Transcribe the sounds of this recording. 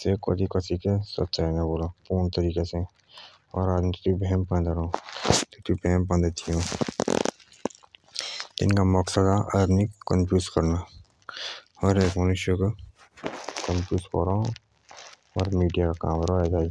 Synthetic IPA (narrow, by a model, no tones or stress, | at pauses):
seko̰ːd̪ikɐsikesɐ̰t̪ːʃaːnɐboːlapuːnt̪ɐɾiːkese | ɔ̰ːɾaːd̪nt̪ibɛɦɛmpɐ̃nd̪ɾot̪ut̪ʰibɛɦmpɐ̃nd̪et̪ʰijõː | ɪ̰nkamɔksəd̪aʔɐd̪nikə̃mpjuːskɐɾna | ɔːɾeːkmɐnʊʃjok | kə̃mpjuːskɔ̰ɾa | ɔːɾmiːɖijakaka̰ːmɾoɦed͡ʒaː